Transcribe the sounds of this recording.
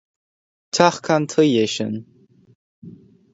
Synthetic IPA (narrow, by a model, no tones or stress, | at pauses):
tʰaχkʰant̪ʰəjeʃə̰n